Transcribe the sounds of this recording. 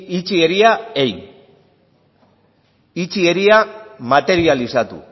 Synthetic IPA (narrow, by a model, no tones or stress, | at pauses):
it͡sie̞ɾiaejn | it͡sieɾiamat̪e̞ɾialisat̪ṵ